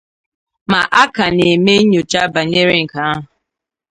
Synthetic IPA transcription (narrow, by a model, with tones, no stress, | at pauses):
ma˨ʔa˦ka˨ne˨me˦ɲo˨t͡ʃa˦ba˨ɲe˦ɾe˦ŋ̩˨ka˨a˦ɦʊ˨